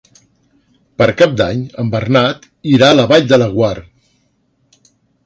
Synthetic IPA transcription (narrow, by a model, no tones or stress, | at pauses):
pəɾkap̚d̪a̰ɲəmbərnat̪ | iɾaləβaʎd̪ələɣwar